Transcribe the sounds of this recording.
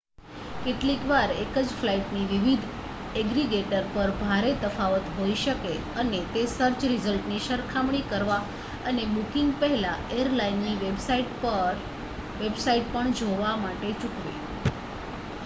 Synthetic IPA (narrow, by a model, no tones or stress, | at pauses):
keʈlikʋaɾekəd͡ʒflaiʈniʋiʋid̪ʱ | ɛɡɾiɡeʈəɾpəɾbʱaɾet̪əfaʋət̪ɦoiʃəke | ənet̪esəɾt͡ʃɾizəlʈniʃəɾkʰamɽ̃ikəɾʋa | ənebukiŋɡ̚pəɦɛlaejəɾlainːiʋes | ʋebsaiʈ̚pəɳd͡ʒoʋamaʈet͡ʃukʋḭ